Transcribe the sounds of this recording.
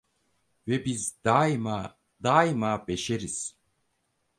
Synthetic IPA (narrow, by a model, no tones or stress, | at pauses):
vɛbizd̪ajma | d̪aːjmaːbeʃeɾiz̥